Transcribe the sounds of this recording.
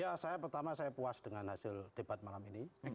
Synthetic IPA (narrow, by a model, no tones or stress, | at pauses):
jasajapərt̪amasajapuasd̥əŋanhasɪld̥eb̥at̪̚malamini